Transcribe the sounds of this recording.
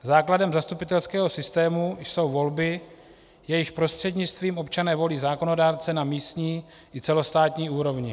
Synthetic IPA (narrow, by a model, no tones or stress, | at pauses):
zaːkladɛmzast̪upɪt̪ɛlskɛːɦo̞sɪst̪ɛːmujso̞wvo̞lbɪ | jɛjɪxpɾo̞st̪r̥ɛdɲɪt͡st̪viːmʔo̞pt͡ʃanɛːvo̞liːzaːko̞no̞daːɾt͡sɛnamiːst̪ɲiː | ʔɪt͡sɛlo̞st̪aːt̪ɲiːuːɾo̞vɲɪ